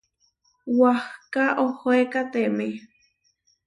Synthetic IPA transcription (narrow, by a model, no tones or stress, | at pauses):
wahkaʔohoekat̪eme